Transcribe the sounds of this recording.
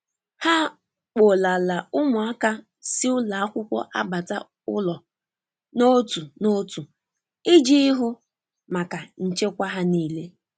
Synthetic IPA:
ha˦ | k͡po˨la˨la˨ʊ˦mʊ˨a˦ka˦ | si˦ʊ˦la˨a˦kʷʊ˦kʷɔ̰˦ʔa̰˦ba˨ta̰˦ | ʊ˦lɔ˨ | no˦tu˨no˦tu˨ | ɪ˦d͡ʒi˦ɦʊ˦ | ma˨ka˨n̩˨t͡ʃe˦kʷa˦ɦa˦niː˦le˦

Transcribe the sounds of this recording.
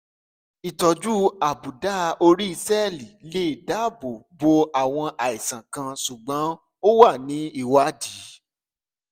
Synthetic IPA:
i˨tɔ˧d͡ʒu˦a˨bu˨da˦˧o˧ɾi˦i˧sɛ˦˨li˨le˦i˦˨da˦bo˨bo˧a˦˨w̃ɔ̃˧ʔa˨i˨sã˨kã˧su˨ɡ͡bɔ̃˨˦ | o˦wa˦˨nĩ˨˦i˦˨wa˦di˨˦

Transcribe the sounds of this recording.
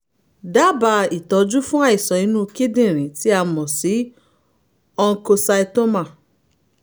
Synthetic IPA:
da˦ba˧˨i˨tɔ˧˦d͡ʒu˦fũ˦a˦˨i˨sɔ˨ĩ˨˧nũ˦ki˦dĩ˦˨ɾ̃ĩ˨ti˨˦a˧mɔ̃˨si˨˦ | ɔ˧ŋ̩˧ko˧sa˧i˧to˦ma˦˨

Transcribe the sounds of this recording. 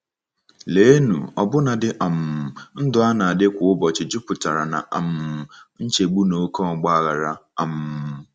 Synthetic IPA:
leː˦e˦nṵ˨ɔ˨bʊ˦na˨dɪ˦ʔa˨m̩˨n̩˦dʊ˦a˦na˨a˨dɪ˦kʷʊ˨ʊ˦bɔ˨t͡ʃɪ˨d͡ʒʊ˦pʊ˨ta˨ɾa˨na̰˨ʔa˨m̩˨n̩˦t͡ʃe˨ɡ͡bu˦no˨˦kɔ˦˨ɡ͡ba˦a˦ɣa˨ɾa˦a˨m˨

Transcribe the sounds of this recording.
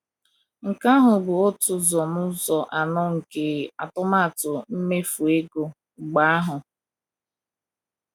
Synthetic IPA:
ŋ̩˨ka˦ɦʊ˨bʊ˨o˦tʊ˦zɔ˨mʊ˦zɔ˨ʔa˨nɔ˦ŋ̩˨ke˨a˨tʊ˦ma˦˨tʊ˨m̩˦me˦fu˨e˦ɡo˨ | ɡ͡ba˦a˦ɦʊ˨

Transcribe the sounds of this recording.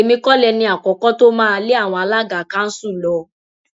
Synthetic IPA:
e˨mĩ˧kɔ˦lɛ˧nĩ˧˦a˨kɔ˨kɔ˦to˦mãː˦˧˦le˦a˦˨w̃ɔ̃˧a˧la˦ɡa˨ka˦n̩˦su˦˨lɔ˧

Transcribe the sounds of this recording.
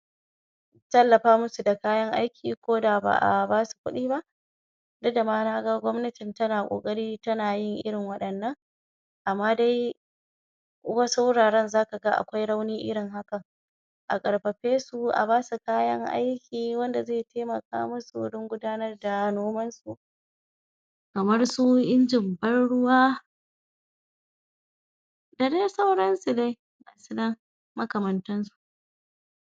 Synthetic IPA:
tɐ˦lːɐ˨ɸaː˦mʊ˦su˨da˨kaː˦jɐ˦ŋʔa˦jkʲiː˨kʷoː˦da˨ba̰ː˨ʔa̰˨baː˦su̥˨kʷʊ̰˦ɗiː˦ba˦ʔ | dʊ˦da˨maː˦naː˦ɡa˦ɡʷɔ˦mnɐ˦tɪ˨ntɐ˦naː˨kʷʼo̰ː˨kʼɐ˦ɽiː˦tɐ˦naː˨jɪ˦˨ŋʔɪ̰˦ɽɪ˨ŋwɐ˦ɗɐ˨nːɐ˦ŋ | ʔa˨mːaː˦da˦j | wɐ˦sa˦wʊ˦ɽaː˨ɽɐ˦nzaː˦ka˨ɡa˦ʔa̰˨kʷa˦jɽa˦wniː˦ʔɪ˦ɽɪ˨ŋɦa˦kɐ˨ŋ | ʔa̰˨kʼɐ˨ɽɸɐ˨ɸeː˦su˨ʔa̰˨baː˦su˨kaː˦jɐ˦ŋʔa̰˦jkʲiː˨wɐ˦nda˨zeː˦˨teː˦mɐ˨ka̰ː˦mʊ˦sṵ˨ɽɪ˦ŋɡʷʊ˦daː˦nɐ˦rda˨noː˦mɐ˦nsu˨ʔ | kɐ˨mɐ˦rsu˦ʔɪ˦nd͡ʒɪ˨mbɐ˦nɽʊ˦waː˦ | da˨da˦sɐ˦wɽɐ˦nsu˨da˦j | na˨su˦nɐ˦ŋ | mɐ˦kɐ˨mɐ˨ntɐ˦nsu̥˨ʔ

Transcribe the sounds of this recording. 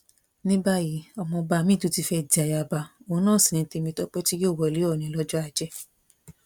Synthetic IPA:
nĩ˦ba˦ji˨˦ɔ˧mɔ̃˧ba˧mĩ˦˨to˨˦ti˧fɛ˦˨di˨a˨ja˧˨ba˧õ˨˦nãː˦˨sĩ˨nĩ˧˦te˧mĩ˧tɔ˦k͡pɛ˦ti˦joː˦˨wɔ˧˨li˨˦ɔ˦˨nĩ˨˦lɔ˦d͡ʒɔ˦a˧˨d͡ʒɛ˦

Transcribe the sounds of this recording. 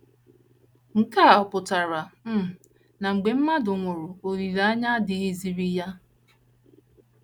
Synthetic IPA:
ŋ̩˨ka˦˨pʊ˨ta˨ɾa˨m̩˦˨ | na˨ŋ͡m̩˨ɡ͡be˨m̩˦ma˦dʊ˨ŋʷʊ˨ɾʊ˨o˨ɾi˨ɾa˦ɲa˦dɪ˨i˦zi˨ɾi˦ja˦

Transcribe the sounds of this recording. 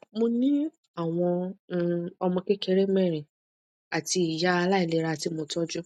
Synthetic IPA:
mo˧nĩ˦ | a˦˨w̃ɔ̃˧˦˧ | ɔ˧mɔ̃˧ke˦ke˦ɾe˦mɛ̃˦˨ɾ̃ĩ˨ | a˨ti˧i˨ja˨˦a˧la˦i˨le˨˦ɾa˧a˨ti˧mo˧tɔ˦d͡ʒu˦

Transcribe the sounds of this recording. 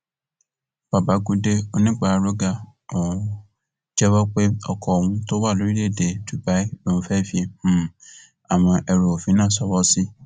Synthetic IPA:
b̥a˨ba˨˦ɡu˦de˦o˧˦nĩ˦k͡pa˦˨˦ɾo˦ɡa˦õ˨˦ | d͡ʒɛ˦wɔ˦k͡pe˦ɔ˨kʰɔ˨wũ˧to˦wa˦˨lo˨˦ɾi˦le˦˨de˨tu˨ba˨˦i˦o˦˨nũ˧fɛ˦˨fĩ˧˨ | a˨w̃ɔ̃˧ʔɛ˧ɾo˨o˨fĩ˨˦nãː˦˨sɔ˧˦wɔ˦si˦

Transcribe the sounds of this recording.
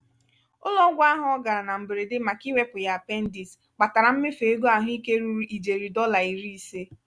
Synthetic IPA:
ʊ˦lɔ˦ɡʷa˦ɦɔ˦ɡa˨ɾa˨na˨m̩˨bɪ˨ɾe˨dɪ˦ma˨ki˦we˦pʊ˨ja˨pe˦n̩˦di˨s | k͡pa˨ta˨ɾa˨m̩˦mɪ˦fe˨e˦ɡo˦a˨ɦʊ˦i˦ke˦ɾu˦ɾu˨˦ʔi˨d͡ʒe˨ɾi˨dɔ˦la˨i˨ɾi˦i˨se˦

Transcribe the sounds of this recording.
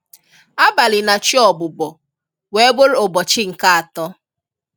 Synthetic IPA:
a˦ba˨lɪ˨na˨t͡ʃi˦ɔ˨bʊ˨bɔ˨ | we˨˦ɡ͡bo˦ɾo˨bɔ˨t͡ʃɪ˦ŋ̩˨ka˦a˨tɔ˦

